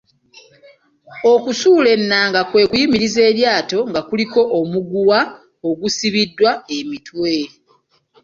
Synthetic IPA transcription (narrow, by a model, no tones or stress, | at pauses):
o̞kusuːle̞nːaːŋɡakwe̞ːkujimiɾize̞ːɾjaːto̞ŋɡakuliko̞ʔomuɡuwa | o̞ɡusiβidːwae̞mitwe